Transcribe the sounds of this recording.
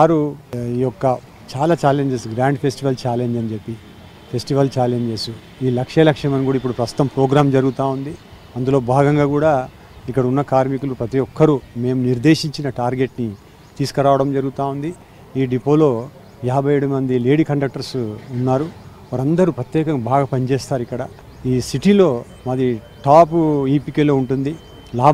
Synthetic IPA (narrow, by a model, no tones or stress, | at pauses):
ʋaːɾuiːjɔkːɐ | t͡ʃaːlaːt͡ʃaːle̞ɲd͡ʒesɡɾaːɳɖpʰe̞sʈiʋɐlt͡ʃaːleɲd͡ʒɐnd͡ʒe̞pːi | pʰe̞sʈiʋɐlt͡ʃaːle̞ɲd͡ʒe̞ːsu | iːlɐkʂɐlɐkʂɐmɐnikuːɽaɐipːuɽupɾɐst̪ut̪ɐmpɾoːɡɾaːmd͡ʒɐɾuɡut̪aːund̪i | ɐnd̪ulo̞ːbʱaːɡɐŋɡaːkuːɽaː | ikːɐɽɐunːɐkaːɾmikulupɾɐt̪ijɔkʰːɐɾume̞ːmuniɾd̪e̞ːʃiɲt͡ʃinɐʈaːɾɡe̞ʈni | t̪iːsu̥kɐɾaːʋɐɽɐmd͡ʒɐɾuɡut̪aːund̪i | iːɖipoːlo̞ː | jaːbʱɐjeːɽumɐnd̪ile̞ːɽikɐɳɖɐk̚ʈɐɾsunːaːɾu | ʋaɾɐnd̪ɐɾupɾɐt̪jɛːkɐŋbʱaːɡaːpɐnt͡ʃeːst̪aːɾuikːɐɽɐ | iːsiʈilo̞ː | mɐd̪i | ʈaːpiːpikeːlo̞ːuɳʈund̪i | laː